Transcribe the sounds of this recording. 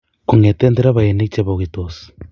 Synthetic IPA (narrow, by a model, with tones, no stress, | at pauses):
ku˨ŋe˨teː˦nde˦ɾa˦βa˨e˨ne˦t͡ʃe˨βa˨ɣi˨to˨si̥